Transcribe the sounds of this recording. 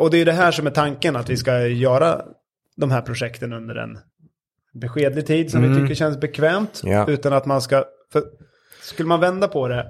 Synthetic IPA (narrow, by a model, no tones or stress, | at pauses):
ɔd̪ɛjɵd̪ɛɦæːʂɔmɛʈ̪ʰaŋkənat̪vɪskajœːɾa̰ | d̪ɔmɦæːɾpʰɾʊʂɛkt̪ənɵnd̪ə̰ɾɛ̰n | bɛɧeːd̪lɪɡ̚t̪ʰiːd̪sɔmvɪt̪ʰʏkːəɕɛnsbɛkʰvɛːmt̪ʉ̟ːt̪anat̪manska | fœ | skɵlːəmanvɛnd̪apʰɔd̪ɛ